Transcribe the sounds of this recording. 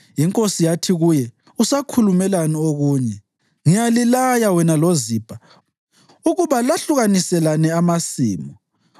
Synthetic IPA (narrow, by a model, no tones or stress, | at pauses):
jiŋkʼosijatʰiɣujɛ | usakʰulumɛlanioɣuːɲɛ | ŋijalilajawɛnaloziːb̥ʱa | uɣuβalaɬuɣanisɛlanɛamasḭːmɔ